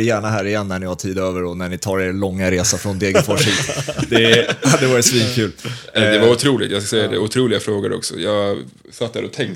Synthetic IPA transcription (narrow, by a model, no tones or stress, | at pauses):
jæːɳaɦæːɾɪjɛnːæɳɪhaʈʰiːd̪øːvəɾɔnæɳɪt̪ʰɑːɾeːɾlɔŋːaɾeːsafɾɔnd̪eːɡəfɔʂid̪ɛhad̪ːɛvɑːɾɪt̪sviːnkʰʉːlɛd̪ɛvaɾʊt̪ʰɾuːlɪɡt̪jɑsksɛjːad̪ɛʊt̪ʰɾuːlɪɡafɾoːɡad̪ɛɔ̰ksɔ̰jɑːɡ | sat̪had̪ɛɔt̪ʰɛŋ